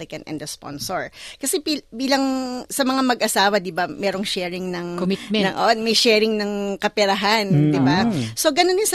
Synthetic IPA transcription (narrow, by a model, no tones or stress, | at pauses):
lɪkɐnʔɛ̰nɛspo̰nsoɹkɐsɛibiːlɐŋsɐmɐŋamɐɡʔɐsaːwɐd̪ɪbamɛːɾo̞ŋʃɛːɹɪŋnɐŋkomɪt̪mɛnɐŋʔo̰ʔonmɐjʃɛːɾɪŋnɐŋkɐpɛɾɐɦand̪ɪbaso̞ɡɐnonɪnsɐ